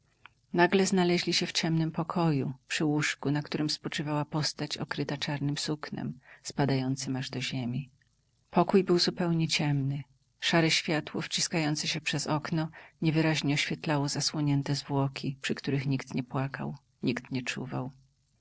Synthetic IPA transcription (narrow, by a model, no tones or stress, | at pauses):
naɡlɛznalɛʑlʲiɕɛft͡ɕɛmnɘmpɔkʰɔjupʂɘwuʂkunakt̪uɾɘmspɔt͡ʂɘvawapɔst̪at͡ɕɔ̰kɾɘt̪at͡ʂaɾnɘmsuknɛ̰mspad̪ajɔnt̪sɘmaʐd̪ɔʑemʲi | pɔkujbɘwzupɛwɲɛt͡ɕɛmnɘ | ʂaɾɛɕfʲjat̪wɔ̰ft͡ɕiskajɔnt̪sɛɕɛpʂɛzɔknɔɲɛvɘɾaʑɲɛɔɕfʲjɛt̪lawɔzaswɔɲɛnt̪ɛzvwɔkʲipʂɘkt̪uɾɘxɲikt̪ɲɛpwaka̰w | ɲikt̪ɲɛt͡ʂṵvaw